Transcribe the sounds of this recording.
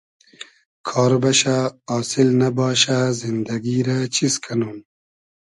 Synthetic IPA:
kʰɑːɾbɐɕaːsilnɐbɑːɕazind̪ɐɡiɾat͡ɕʰiskʰɐnuːn

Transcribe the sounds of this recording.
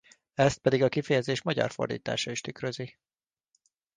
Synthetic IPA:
ɛst̪̚pɛd̪iɡɒkifɛjɛzeːʃmɒɟɒ̰rfo̞̰rd̪ḭːt̪a̰ːʃɒiʃt̪ykrøzi

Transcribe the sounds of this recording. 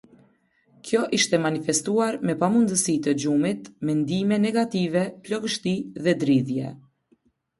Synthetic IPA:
kjɔʔiʃt̪ɛmanifɛst̪uaɾmɛpamund̪əsit̪əd͡ʒumit̪mɛnd̪imɛnɛɡat̪ivɛplɔɡəʃt̪iðɛd̪ɾiðjɛ̰

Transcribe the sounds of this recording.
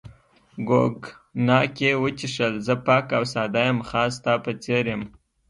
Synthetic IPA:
ɡo̰ɡ | nɑkewət͡ʃiʂəlzəpɑkawsɑd̪ajəmxɑst̪apət͡seɾjəm

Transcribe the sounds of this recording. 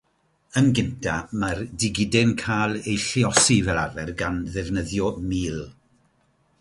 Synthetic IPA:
ənɡɪntʰamardɪɡɪdɛnkʰajlˠejɬiɔsivɛlˠavɛrɡanðɛvnəðjɔmiːlˠ

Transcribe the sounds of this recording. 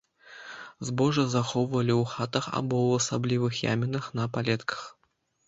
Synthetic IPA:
zbɔʐɨzaxɔwvɐlʲiwxat̪ɐxa̰bɔwɐsablʲivɨxja̰mʲinɐxnɐpalʲɛt̪kʰɐ̥x

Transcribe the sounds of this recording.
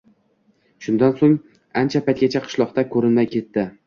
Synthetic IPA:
ʃʊnd̪ansoŋ | ant͡ʃʰapʰajt̪ɡʲat͡ʃʰaqʰɨ̥ʃlˠɒqt̪akʰɵɾɪnmajkʲʰe̞t̪ːɪ

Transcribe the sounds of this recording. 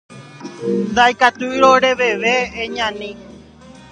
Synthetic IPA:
nd̪ajkat̪uɾoɾeʋe̞ʋeːɲãnĩ

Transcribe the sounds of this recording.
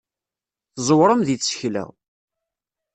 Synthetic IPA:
θzˤwɾˤəmðiθsə̥çlæ̰ʁ

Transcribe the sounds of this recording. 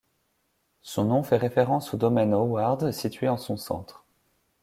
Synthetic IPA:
sɔ̃nɔ̃fɛʁefeʁɑ̃sod̪ɔmɛnowaʁd̪sit̪ɥeɑ̃sɔ̃sɑ̰̃t̪χ

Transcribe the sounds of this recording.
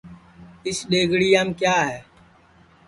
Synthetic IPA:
ɪsɗeːɡɽiːjaːmkjaːɦɛː

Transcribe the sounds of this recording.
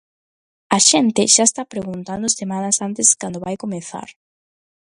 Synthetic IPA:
aʃɛnt̪ɪʃaest̪apɾeɣunt̪and̪ʊsemanɐsant̪ɪskand̪ʊβajkomeθa̰ɾ

